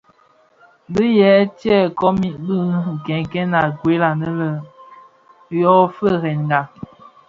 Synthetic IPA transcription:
bə˦jɛ˦tjɛ˦˨kɔ˦mi˦bə˦˨kɛ˨ŋkɛ˦na˨ɡwe˨˦la˨nə˦lə˨ | jɔ˦fə˦˨ɣɛ˨nŋɡa˨

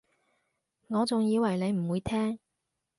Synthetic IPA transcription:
ŋɔː˨˧t͡sʊ˨ŋjiː˨˧wɐ˨˩jle˨˧jm̩˨˩wuː˨˧jt̪ʰɛː˥ŋ

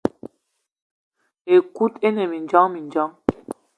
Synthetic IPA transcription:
e˨ku˦te˦ne˨mi˨n˨d͡ʒɔ˦ŋmi˨nd͡ʒɔ˦ŋ

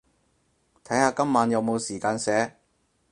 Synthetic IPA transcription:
t̪ʰɐ˨˥jhaː˧kɐ˥mːaː˨˧njɐ˨˧wmo˨˧wsiː˨˩kaː˧nsɛː˨˥

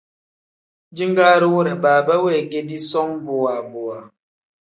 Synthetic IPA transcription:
d͡ʒi˦ŋ˦ɡaː˦ɾi˦wo˦ɾɛ˨baː˨ba˦we˦˨ke˦di˦sɔ˦ŋbo˨a˨bo˨a˨

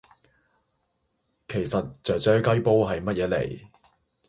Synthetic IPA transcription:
kʰe˨˩jsɐ˨t̚t͡sœː˨k̚t͡ʃœː˥kɐ˥jpo˥wɦɐ˨jmɐ˥t̚jɛː˨˧˥lḛ˨˩j

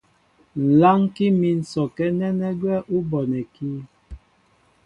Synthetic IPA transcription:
n̩˨la˦ŋki˦mi˨n̩˨sɔ˨kɛ˦nɛ˦nɛ˦ɡwɛ˦ʔu˦bɔ˨nɛ˨kiː˦

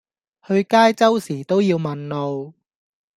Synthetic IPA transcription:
hɵ˧ɥkaː˥jt͡sɐ˥wsiː˨˩t̪o˥wjiː˧wmɐ˨nlo˨˧w

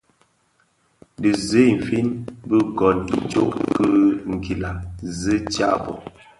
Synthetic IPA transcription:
də˨ze˦˨m̩˨fi˦nbə˦ɡɔ˨ni˨t͡ʃo˦ʔkɨ˦ŋ̩˨ki˨la˨zə˦t͡ʃa˦ʔbɔ̰˨

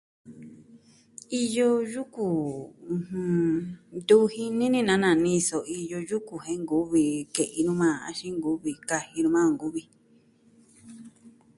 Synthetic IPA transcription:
i˧jo˧ju˦kũ˨˧hũ˧d̪u˦hi˧nĩ˦nĩ˦nã˨˦nã˧˨nĩ˧so˨i˧jo˧ju˦ku˨hẽ˧˦ŋɡu˨˦βi˧˨ke˨ʔi˧nũ˦mã˦˨a̰˧ʃi˦ŋɡu˦βi˧ka˧hi˧nũ˧mã˦˧˨ŋɡu˦βi˧

